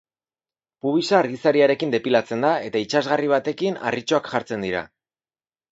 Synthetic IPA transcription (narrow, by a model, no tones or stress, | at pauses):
puβ̞isaːɾɣisaɾiaɾe̞kind̪e̞pilat͡se̞nd̪ae̞t̪ait͡ʃazɣariβ̞at̪e̞kina̰rit͡ʃo̞akʝaɾt͡se̞nd̪iɾa̰